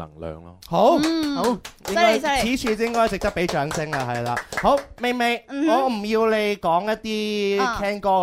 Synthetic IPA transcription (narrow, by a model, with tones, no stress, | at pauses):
lɐ̰˨˩ŋlœ̰ː˨ŋlɔ̰ː˧ho˨˥wo˨˦wjɪ˥ŋ˥kɔː˥jt͡sʰiː˨˥t͡ʃʰyː˨jɪ˥ŋkɔː˥jt͡sɪ˨k̚t̪ɐ˥k̚pe˨˥jt͡ʃœː˨˥ŋsɪ˥ŋlɐ˧ɦɐ˨jla̰ː˨˧ho˨˥wme˨jme˨˧jŋɔː˨˧m̩˨˩jiː˧wle˨˧jkɔː˨˥ŋjɐ˥t̚t̪iː˥k̪ʰɛː˥ŋkɔː˧